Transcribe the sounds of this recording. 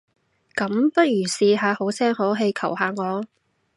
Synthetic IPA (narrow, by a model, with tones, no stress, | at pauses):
kɐ˨˥mpɐ˥t̚jyː˨˩siː˧ɦaː˨˧ho˨˥wsɛː˥ŋho˨˥wɦe˧jkʰɐ˨˩whaː˨˧ŋɔː˨˧